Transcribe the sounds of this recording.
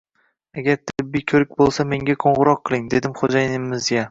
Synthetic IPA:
aɡʲaɾt̪ʰɪbːijkʲʰɵɾɪk̚ʲbolˠsame̞ŋɡʲaqʰoɴʁɨɾɒqʰːɨlˠɪŋd̪e̞d̪ɪmχod͡ʒajɪmːɪzɡʲa

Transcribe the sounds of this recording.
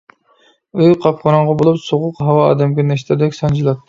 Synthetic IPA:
øjqʰɑp̚χɑɾɑɴʁɑbolˠupsoʁʊqɦɑwɑ̰ːd̪ɛmɡʲɛnɛʃt̪ʰɪɾd̪ɛkʲsɑnd͡ʒilˠɑt̪ʰː

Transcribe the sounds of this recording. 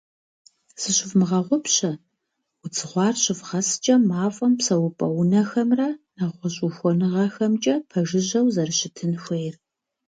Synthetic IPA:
sɨɕɪfmɨʁɐʁʷɔpɕɐ | ʊt͡sʰɨʁʷɑːrɕɪfʁɐst͡ʃʼɐmaːfʼɐmpsɐwʊpʼɐwʊnɐxɐmrɐnɐʁʷɔɕʼʊxʷɔnɨʁɐxɐmt͡ʃʼɐpʰɐʒɪʑɐwzɐrɕɪtʰɨnxʷejr

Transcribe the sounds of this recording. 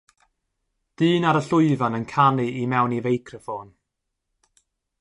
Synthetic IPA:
d̥ɨːnaɾəɬʊjvanənkʰaniimɛwnivejkʰrəfoːn

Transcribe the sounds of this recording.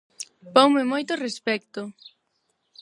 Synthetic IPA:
powmɪmojt̪ʊrespɛkt̪ʊ

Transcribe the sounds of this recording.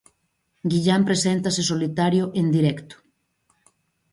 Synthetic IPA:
ɡiʎampɾesent̪ases̬olit̪aɾjoʔend̪iɾɛkt̪o̥

